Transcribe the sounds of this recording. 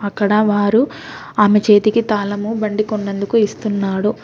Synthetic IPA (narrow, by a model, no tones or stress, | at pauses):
ɐkːɐɽɐʋaːɾu | aːmet͡ʃe̞ːt̪ikit̪aːlɐmubɐɳɖikunːend̪ukuist̪unːaːɽu